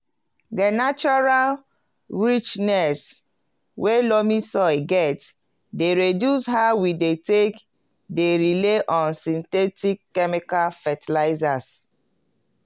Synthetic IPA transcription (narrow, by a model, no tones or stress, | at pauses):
dənat͡ʃɔɹal | ɹit͡ʃnɛs | welomisɔɪɡɛt | deɹedjushawidetek | deɹileʔɔ̃nsĩntɛtikːɛmikalfɛtilaɪzas